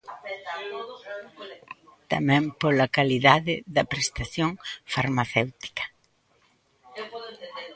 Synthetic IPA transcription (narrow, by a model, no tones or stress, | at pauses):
t̪amɛ̃mpolɐkaliðaðɪðɐpɾest̪aθjoŋfaɾmaθewt̪i̥kɐ̥